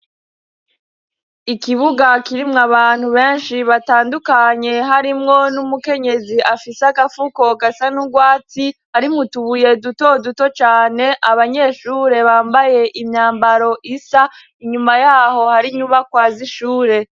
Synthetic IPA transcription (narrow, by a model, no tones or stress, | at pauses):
ikiβuɡakiɾimŋaβaːn̥huβe̞ːnʃiβataːndukaɲe̞ɦaɾimŋo̞numuke̞ɲe̞ziʔafiseaɡafuko̞ɡasanuɡwaːtihaɾimutuβuje̞duto̞duto̞t͡ʃaːne̞ʔaβaɲe̞ːʃuːɾe̞βaːmbaje̞ʔimɲaːmbaɾo̞ʔisa | iɲumajaːho̞haɾiɲuβakwaːziʃuːɾe̞